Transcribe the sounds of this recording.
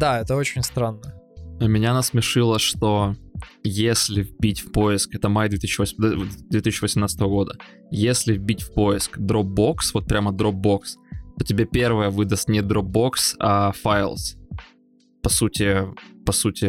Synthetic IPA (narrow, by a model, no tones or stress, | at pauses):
d̪aɛt̪əot͡ɕɪnʲst̪ɾanːəəmʲɪnʲanəsmʲɪʂɨlˠəʂt̪o | jesʲlʲɪvʲbʲitʲfʲpoɪskɛt̪əmajd̪vʲet̪isʲɕːɕːɪvəsʲmd̪d̪vʲet̪isʲɪːɕːɪvəsʲɪmnat̪st̪əvəɡo̞d̪ə | jesʲlʲɪvbʲitʲfpo̞ɪskd̪ɾob̚bo̞ksvo̞t̪̚pɾʲaməd̪ɾob̚bo̞kst̪otʲɪbʲepʲe̞rvəjəvɨd̪əst̪nʲɪd̪ɾob̚bo̞ksɐfajlˠs | pɐsutʲɪpɐsutʲɪ